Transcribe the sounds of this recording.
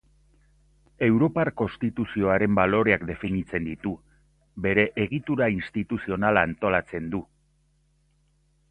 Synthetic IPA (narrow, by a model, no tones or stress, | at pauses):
e̞wɾo̞paɾko̞nst̪it̪usio̞aɾe̞mbalo̞ɾe̞akd̪e̞finit͡se̞nd̪it̪u | be̞ɾe̞ʔeɣit̪uɾainst̪it̪usio̞nalaːnt̪o̞lat͡se̞nd̪u